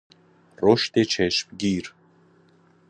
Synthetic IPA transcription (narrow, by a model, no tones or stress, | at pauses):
roʃt̪et͡ɕʰɛʃpɡʲir